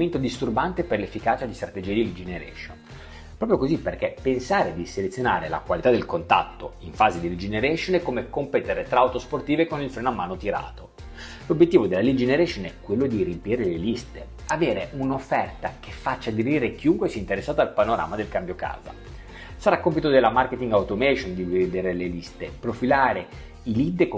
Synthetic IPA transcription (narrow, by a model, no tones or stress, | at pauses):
ment̪od̪ist̪urbant̪eperlefːikaːt͡ʃad̪ist̪ɾat̪ed͡ʒiːad̪ilid͡ʒeneɾɛ̰ʃon | pɾɔːpɾjokozipːerkepːensaːɾed̪iselet̪sːjonaːɾela̰kwalit̪ad̪elkont̪a̰t̪ːoiɱfaːzed̪ilid͡ʒeneɾɛʃonɛkːomekompɛt̪eɾt̪ɾaːwt̪osport̪iːvekonilfɾɛːnamːaːnot̪iɾa̰ːt̪o | lobjet̪ːiːvod̪elːalid͡ʒeneɾɛʃonɛkːwelːod̪irimpiɾelelist̪e | aveːɾeunofːɛrt̪ak̟efːat͡ʃːad̪eɾiːɾek̟iuŋkwesiɛint̪eɾesːaːt̪aalpanoɾa̰ːmad̪elkambjoka̰ːza̰ | saɾakːompit̪od̪elːamarket̪iŋɡawt̪omɛʃond̪ivved̪eːɾelelist̪epɾofilaːɾe | ilid̪k